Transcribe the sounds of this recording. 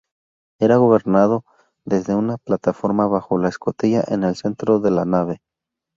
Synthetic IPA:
e̞ɾaɣo̞βe̞ɾnað̞o̞ | ðe̞zðe̞unaplat̪afo̞ɾmaβaxo̞laesko̞t̪iʝaʔe̞ne̞lse̞nt̪ɾo̞ðe̞lanaβe̞

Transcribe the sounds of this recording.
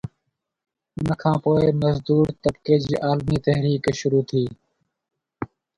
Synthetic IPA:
ʊnəkʰãːpoːeməzd̪uːɾt̪əbkeːd͡ʒiːʔaːlmiːt̪əɦɾiːkʃʊɾuːt̪ʰiː

